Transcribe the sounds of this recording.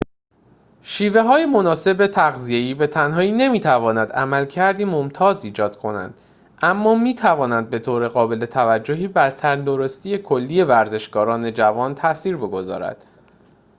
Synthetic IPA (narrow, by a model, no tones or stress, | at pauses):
ʃiːve̞ɦɒːjemo̞nɒːse̞bet̪ʰæɣzije̞iːbe̞t̪ʰænɦɒːiːne̞miːt̪ʰævɒːnæd̪æ̰mælcʰæɾd̪iːmomt̪ʰɒːziːd͡ʒɒːd̪̥kʰo̞næ̰nd̪̥ | ʔæmːɒːmiːt̪ʰævɒːnænd̪̚be̞t̪ʰoːɾe̞ɣɒːbe̞le̞t̪ʰævæd͡ʒːoɦiːbæɾt̪ʰæɾnd̪o̞ɾost̪iːje̞kʰolːiːje̞væɾze̞ʃɡɒːɾɒːne̞d͡ʒævɒːnt̪ʰæsiːɾbe̞ɡo̞zɒ̰ːɾæ̰d̪̥